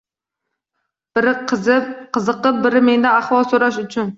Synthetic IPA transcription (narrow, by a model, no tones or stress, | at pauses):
b̥ɪɾɪqʰqʰɨzɨqːɨp̚bɪɾɪmend̪aaχwɒlˠsoɾaʃ̬ʊt͡ʃʰʊn